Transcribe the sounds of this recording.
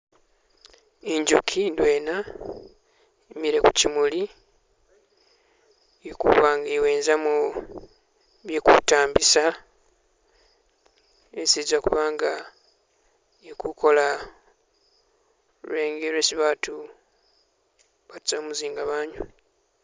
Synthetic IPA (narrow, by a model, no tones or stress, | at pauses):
eɲɟukʰidwe̞ːna | emiɾe̞kucimuli | ekṵβaːŋɡaeweːnzamu | βjekṵtaːmbisa | esizakuβaːŋɡa | ekukʰo̞la | lueːŋɡeɾweːsiβaːtu | βatu̥zoːmuziːŋɡaβaːɲu